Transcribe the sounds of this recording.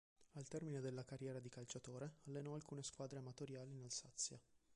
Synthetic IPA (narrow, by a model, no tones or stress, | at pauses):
alt̪ɛrmined̪elːakarjɛːɾad̪ikalt͡ʃat̪oːɾealːenɔalkuːneskwaːd̪ɾeamat̪oɾjaːliːnalsat̪sːja